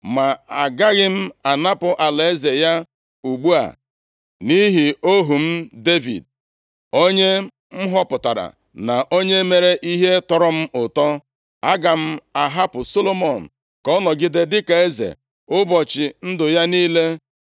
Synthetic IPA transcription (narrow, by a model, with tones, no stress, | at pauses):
ma˨a˨ɡa˦ɣɪ˦m̩˦a˨na˦pʊ˨ʔa˨le˨e˦ze˨ja˦ | u˨ɡ͡bu˦a̰˨ | ni˦ɦi˨o˦ɦu˨m̩˦de˦vḭ˨d̚ | o˦ɲe˦ | m̩˦ɦɔ˦pʊ˨ta˨ɾa̰˨ | na˨ʔo˦ɲe˦me˦ɾe˦ʔi˦ɦe˦tɔ˨ɾɔ˦m̩˦ʊ˨tɔ˦ | a˦ɡa˨m̩˦a˨ɦa˦pʊ˨so˦lo˦mɔ˨n̩˨ | kɔ˦nɔ˨ɡɪ˦de˦dɪ˦ka˨e˦zḛ˨ | ʊ˦bɔ˨t͡ʃɪ˨n̩˦dʊ˨ja˦niː˦le˦